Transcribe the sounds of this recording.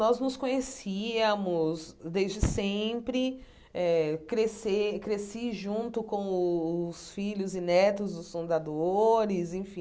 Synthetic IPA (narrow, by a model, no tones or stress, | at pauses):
nɔznʊskõɲesiɐmʊsd̪ezd͡ʒɪsẽpɾɪ | ɛkɾesekɾesiʒũnt̪ʊkõw̃ʊʊsfiʎʊzinɛt̪ʊzd̪ʊsfũnd̪ad̪oɾɪzẽfĩ